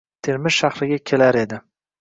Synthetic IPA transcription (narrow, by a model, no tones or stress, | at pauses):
t̪ʰeɾmɪzʃaχɾɪɡʲakʲʰe̞laɾe̞d̪ɪ